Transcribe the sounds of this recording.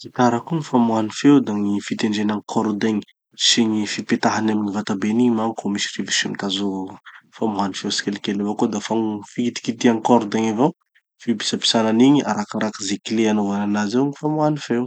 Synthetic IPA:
zit̪aɾakuŋifamwanifewd̪aŋifit̪eɳɖ͡ʐenaŋkʰɔɾud̪eɲi | siɲifipet̪aɦanamiɲivat̪abeniɲmaŋkomisi̥revisumt̪azufamuanifewsi̥kelkelevakud̪afafikit̪i̥kit̪iaŋkɔɾd̪eŋavaw | fibi̥sapi̥sananiŋia̰ɾakaɾakizekileanuvananazewŋifamuanifew

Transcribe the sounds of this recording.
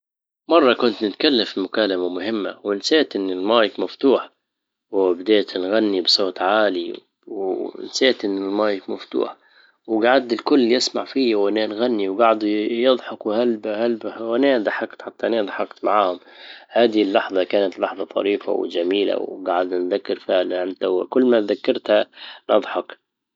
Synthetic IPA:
mɑrˤːɑkʊnt̪nɪt̪kalːafɪlmʊkaːlamamʊhɪmːa̰wɪnseːt̪ʔɪnːɪlmɑːjɪkmaft̪uːħ | wbɪd̪eːt̪nɣanːibsˤoːt̪ˤʕaːli | w̰nseːt̪ʔɪnːɪlmɑːjɪkmaft̪ṵːħ | wɡaʕad̪ɪlkʊlːjɪsmaʕfiːjawanaːnɣanːiwɡaʕd̪jɨd̪ˤħɑkwhalbhalbwaneːd̪ˤɑħɑkt̪ħat̪ːaʔnaːd̪ˤħɑqt̪maʕaːhʊm | haːd̪ɪlːɑħðˤɑkaːnat̪lɑħðˤɑt̪ˤɑ̰ɾiːfa̰w̰d͡ʒamiːla̰wɡaʕad̪nanðakːɪɾfɪʕlanʔant̪awkʊlːmat̪ðakːɑɾˤt̪hanʔɑ̰d̪ˤħɑk

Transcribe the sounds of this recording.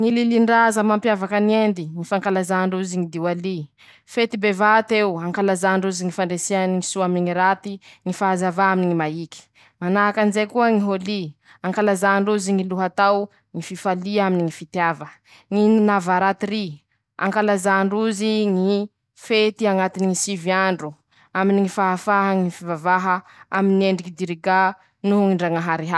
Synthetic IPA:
ŋililiɳɖ͡ʐazəmampjavakəniend̪iŋifaŋkalazaɳɖ͡ʐuziŋid̪iwali | fet̪ibevat̪ewaŋkalazaɳɖ͡ʐuziŋifaɳɖ͡ʐesianiŋisuamiŋiɾat̪iŋifaazavaaminiŋimaiki̥ | manaɦakanzekuəŋiɦoli | aŋkalazaɳɖ͡ʐuziŋiluɦat̪aw | ŋififaliaminiŋifit̪javə | ŋinavaɾat̪iɾi | a̰ŋkalazaɳɖ͡ʐuziŋi | fet̪iaŋat̪iniŋisiviaɳɖ͡ʐu | aminiŋifaɦafaɦəŋifivavaɦəaminieɳɖ͡ʐikid̪iɾiɡa | nuŋiɳɖ͡ʐaŋaɦaɾiɦa

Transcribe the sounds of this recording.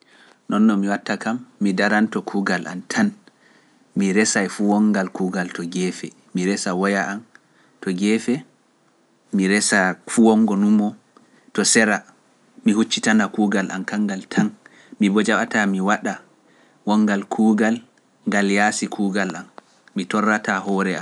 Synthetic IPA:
nʔɔnːɔmiwatːakamːidaɾantɔkʰuːɡalʔa̰ntʰan | miɾɛsajfuwɔŋɡalkuːɡaltɔɡɛːfɛ | miɾɛsawɔjaʔan | tɔɡɛfɛ | miɾɛsafuwɔŋɡɔnumɔ | tɔsɛɾa | mihut͡ʃːitanakuːɡalʔa̰nkaŋɡaltʰan | mibɔd͡ʒaɓatamiwaɗa | wɔŋːɡalkʰuːɡal | ŋɡaljasikʰuɡalamː | itɔrːatahɔɾɛam

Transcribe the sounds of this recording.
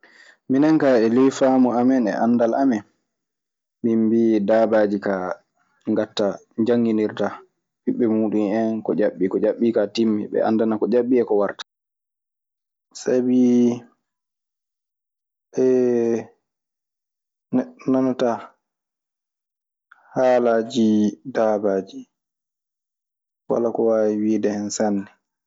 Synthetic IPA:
minaŋkaɛlijfaːmuamɛnɛ̰ʔanːdalʔamɛn | mimbidaːbaːd͡ʒika | ŋɡatːa | d͡ʒaŋːɡiniɾta | biɓːɛmuːɗumɛnkɔ̰d͡ʒaɓːikɔd͡ʒaɓːikatimːiɓɛ̰ʔa̰ndanakɔd͡ʒaɓːiɛkɔwaɾtḁ | sabi | ʔɛ | nanata | haːlaːd͡ʒidabaːd͡ʒi | wa̰lakɔwaːwiwidɛhɛnsanːɛ

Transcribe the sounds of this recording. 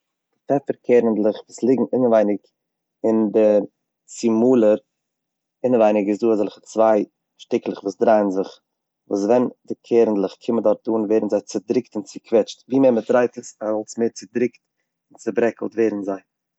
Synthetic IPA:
d̥fɛfəɾkʰeːɾəndlˠəχvuːslˠɪɡŋ̩ɪnəvaɪnɪk | ɪndɪ | sɪmuːlˠəɾ | ɪnəvaɪnɪɡɪsduːazɛlˠχət͡svaɪ | ʃtɪklˠəχvuːsdɾaɪənzɪχ | vṵːs̬vɛndɪkʰeːɾən̩dlˠəχkʰɪmədɔɾfduːnveːɾn̩zaɪt͡sɪdɾɪktɪnt͡sɪkʰvɛt͡ʃtviːmeːɾmətɾaɪtəsaɔlˠsmeːɾt͡sɪdɾɪkt | ɪnt͡sɪbɾɛkl̩ˠtveːɾn̩zaɪ

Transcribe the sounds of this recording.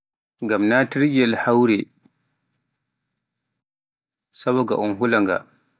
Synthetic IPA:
ŋɡamnaːtiɾɡɛlhawɾɛ | sabβɔɡa̰ʔɔnɦulaŋɡa̰

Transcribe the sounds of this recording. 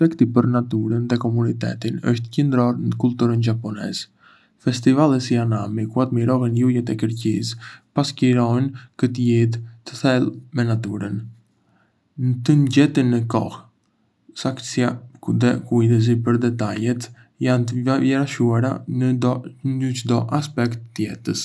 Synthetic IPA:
ɛkt̪ipəɾnat̪uɾənðɛkɔmunit̪ɛ̰t̪inə̰ʃt̪əcənd̪ɾɔɾnəkult̪uɾənd͡ʒapɔnɛ̰z | fɛst̪ivalˠɛsianamikuat̪miɾɔɦɛnjujɛt̪ɛkəɾcispasciɾɔnkət̪ijɛt̪ːə̥θɛlˠmɛnat̪uɾən | nət̪ənɟɛt̪inːəkɔ̰h | saksiad̪ɛkujdɛs̬ipəɾd̪ɛt̪ajɛt̪ | jant̪əvjɛɾaʃuaɾa̰ | ət͡ʃəd̪ɔʔaspɛkt̪ːjɛt̪əs

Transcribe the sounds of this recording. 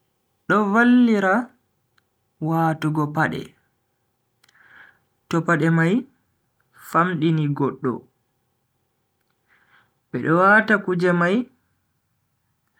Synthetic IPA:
ɗɔvalːiɾa | waːtuɡɔpaɗɛ̰ | tɔpaɗɛmaj | famɗiniɡɔɗːɔ̰ | ɓɛɗɔwatakud͡ʒɛmaj

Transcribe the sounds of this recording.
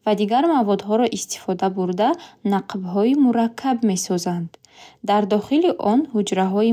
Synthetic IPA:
vad̪iɡaɾmavɔd̪ɦɔɾɔʔist̪i̥fɔd̪abuɾd̪anaqʰbɦɔimuɾakʰːabme̞sɔzand̪ | d̪aɾd̪ɔχiliʔɔnhud͡ʒɾaɦɔi

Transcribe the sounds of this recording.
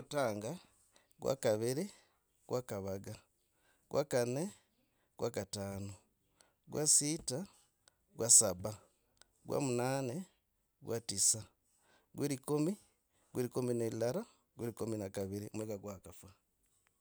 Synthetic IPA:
taːŋɡa | ɡwa̰kaβiɾi | ɡ̥wakaβaɡa | ɡ̥wa̰kane | ɡ̥wakataːno | ɡwasita | ɡwasaβa | ɡwa̰munaːne | ɡwatisa | ɡwiɾikomi | ɡwiɾikominelaɾa | ɡwiɾikominakaβiɾiomweɡaɡwakafwa

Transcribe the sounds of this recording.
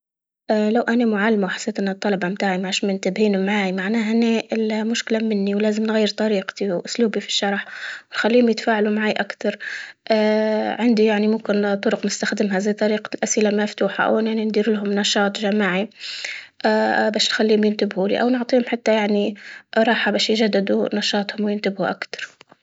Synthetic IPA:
ʔalawʔanamʊʕalːmawħḁsːeːt̪ʔnːat̪ˤːɑlɑbɑmt̪aːʕimaʕʃmɪnt̪ɪbhiːnumaʕaːʕimaʕnaːɦanːeʔɪlmʊʃkɪlamɪnːiwlaːzɪmnɣajːɪɾt̪ˤɑɾiːqt̪iwʔʊsluːbifi̥ʃːɑɾˤħwɪnxalːiːʊmjɪt̪faːʕalumaʕaːjʔakt̪ɑɾˤʔaːʕɪnd̪ijaʕnimʊmkɪnt̪ˤʊɾʊqnɪst̪axd̪ɪmɦazajt̪ˤɑɾiːqalʔasʔɪlamaft̪uːħa̰ʔa̰wʔɪnjaʕnind̪iːɾlɦʊmnɑʃɑːt̪ˤʒamaːʕi | ʔaːbaːʃnxalːiːhʊmjɪnt̪ɪbhulḭʔa̰wnʊʕt̪ˤiːhʊmħat̪ːajaʕniɾˤɑːħabaːʃjɪʒad̪ːɪd̪ṵnɑʃɑːt̪ˤhʊmwjɪnt̪ɪbhuʔa̰kt̪ɑ̥ɾˤ

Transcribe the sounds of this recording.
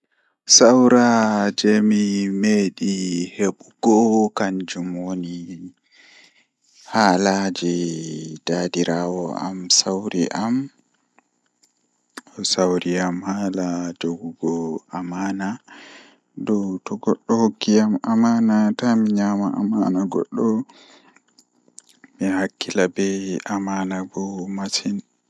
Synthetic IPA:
sawɾad͡ʒɛmimeɗiheɓuɡ̥ɔkaɲd͡ʒumwoni | haːlad͡ʒid̥aːdiɾawɔʔa̰msawɾiʔam | ɔsawɾiamhaːlad͡ʒoɡuɡɔʔamaːna | dɔwtɔɡɔɗːɔhokːijamamaːnatamiɲamaʔa̰manaɡɔ̰ɗːɔ | mihakːilabɛamaːnabɔmasin

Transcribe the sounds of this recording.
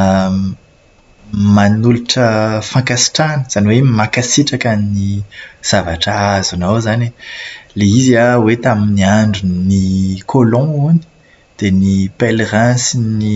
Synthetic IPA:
manuluʈ͡ʂəfãkasi̥ʈ͡ʂanəz̥aniwemakasiʈ͡ʂakanniz̥avaʈ͡ʂaazunowzaneleiziawet̪aminiaɳɖ͡ʐunikʰolɔ̃uni̥ | d̪̥enipelrɛ̃sinni

